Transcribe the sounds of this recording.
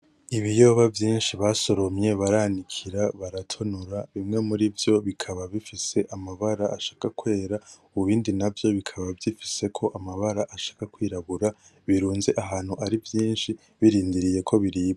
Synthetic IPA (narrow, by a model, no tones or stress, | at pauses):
iβijo̞ːβavjiːnʃiβaːso̞ɾo̞mɲe̞βaɾanikʰiɾaβaɾatʰo̞nuɾaβimŋe̞muɾivjo̞βikʰaβaβifise̞ʔamaβaɾaa̰ʃḁːkakwe̞ːɾa | uβiːndinavjo̞βikʰaβavjifi̥se̞kʰo̞ʔamaβaɾaʔaʃḁːkakwiːɾaβuɾa | βiɾuːnze̞ʔaɦaːn̥huʔaɾivjiːnʃi | βiɾiːndiɾije̞kʰo̞βiɾiːβa